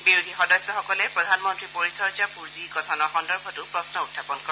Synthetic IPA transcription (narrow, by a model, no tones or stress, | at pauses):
biɹudʱixɔdɔsjɔxɔkɔlɛpɹɔdʱanmɔntɹipoɹisɔɹd͡ʒapuɹzikɔtʰanɔxɔndɔɹbʱɔtʊpɹɔsnɔutʰːapɔnkɔ